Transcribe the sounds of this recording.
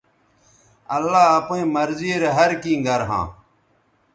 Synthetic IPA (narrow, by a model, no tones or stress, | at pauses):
ɐlːaːɐpẽːmɐɾziɾeɦɐɾkĩːɡɐɾɦã̰ː